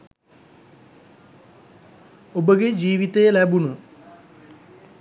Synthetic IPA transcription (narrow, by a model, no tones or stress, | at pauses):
obəɡed͡ʒiːʋit̪ejəlæbunə